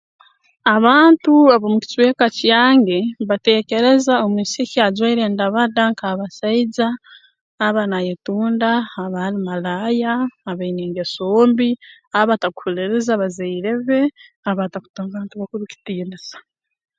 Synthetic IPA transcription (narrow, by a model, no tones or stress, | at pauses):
aβaːntuaβomuci̥t͡swe̞ːkacjaːŋɡeβate̞ːce̞ɾe̞zaomwiːseciazwaiɾendaβadaŋkaβasaid͡zaː | βanajetuːndaːβalimalajaːβaineːŋɡesoːmbi | aβataku̥huleɾezaβazaiɾeβe̞ | aβataku̥toːŋɡaːntuβakuɾuci̥tiːndisḁ